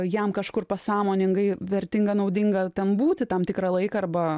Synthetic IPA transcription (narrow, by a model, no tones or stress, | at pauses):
jɛmkɐʃkʊrpɐsɑːmoːnʲɪŋɡɐɪʋʲɛɾʲt̪ʲɪŋɡɐnɐʊd̪ʲɪŋɡɐt̪ʲɛnbuːt̪ʲɪt̪ɐmt̪ʲɪkɾɐlˠɐɪkɐɐrbɐ